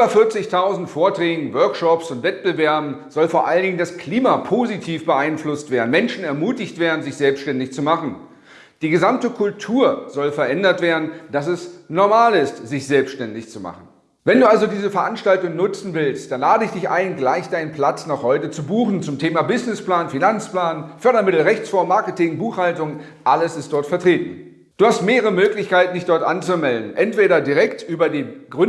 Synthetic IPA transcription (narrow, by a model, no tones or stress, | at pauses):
ʔybɐfɪɐt͡sɪçtʰaʊzn̩tfoːɐtʁ̥ɛːɡŋ̩vœɐkʃɔpsʊntv̥ɛt̚b̥əvɛɐbm̩z̥ɔlfoːɐʔaləndɪŋəndaskʰl̥iːmapʰozitʰiːfb̥əʔaɪnflʊstv̥eːɐdn̩mɛnʃn̩ɛɐmuːtɪçtv̥eːɐdn̩zɪçz̥ɛlpstʃtɛndɪçt͡sumaχn̩ | d̥iːɡəzamtəkʰʊltʰuːɐz̥ɔlfɛɐʔɛndɐtv̥eːɐdn̩d̥asɛsnɔɐmaːlɪstz̥ɪçz̥ɛlpsʃtɛndɪçt͡suma̰χn̩ | vɛnduːʔalzodiːzəfɛɐʔanʃtaltʊŋnʊt͡sn̩vɪlstd̥anlaːdəɪçd̥ɪçʔa̰ɪnɡlaɪçd̥aɪnənpʰl̥at͡snɔχhɔʏtət͡subuːχn̩t͡sʊmtʰeːmabɪznɪsplaːnfinant͡spl̥aːnfœɐɾɐmɪtl̩ʁɛçt͡sfɔɐmaɐkətɪŋbuːxhaltʊŋ | ʔaləsɪst̚d̥ɔɐtfɛɐtʁ̥eːtn̩ | d̥uːhastmeːʁəʁəmøːklɪçkaɪtn̩dɪçd̥ɔɐtʔa̰nt͡sumɛldn̩ʔɛntv̥eːɾɐdiʁɛktʔyːbɐdiːɡʁʏ